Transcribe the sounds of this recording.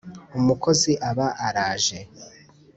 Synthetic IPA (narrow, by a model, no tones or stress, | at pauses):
umukʰo̞ziʔaβaʔaɾaːʒe̞